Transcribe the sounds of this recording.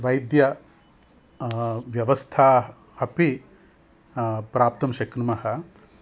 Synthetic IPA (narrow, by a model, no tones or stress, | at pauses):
ʋɐjd̪jɐ | ʋjɐʋɐst̪ʰaː | hɐpi | pɾaːp̚t̪ɐmʃɐkɾɐmɐɦɐ